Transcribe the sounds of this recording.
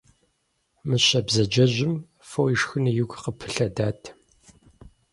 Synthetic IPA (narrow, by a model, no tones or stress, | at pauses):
mɨɕɐbzɐd͡ʒɐʑʷɪm | fojɪʂxɨnijʊɡʷqəpʰɨ̥ɬɐdaːtʰ